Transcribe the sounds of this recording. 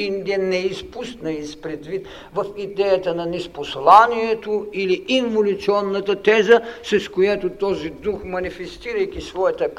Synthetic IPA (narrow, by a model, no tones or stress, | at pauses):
ind̪iənɛispust̪nɐispɾɛd̪vit̪ | vɐfid̪ɛjət̪ənɐnɛsposlˠaniɛt̪oiliiɱvolʲut̪siɔnːɐt̪ɐt̪ɛzəsɾɛskojat̪ot̪ɔzid̪uxmɐnifɛst̪iɾɐjk̟ʲisvɔjɐt̪ək